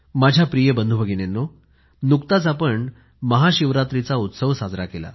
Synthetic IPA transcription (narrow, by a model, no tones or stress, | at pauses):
mad͡ʑʱjapɾijəbənd̪ʱubʱəɡinenːo | nukt̪at͡sapəɳ | məɦaɕiʋɾat̪ɾit͡saut̪səʋsad͡zɾakela̰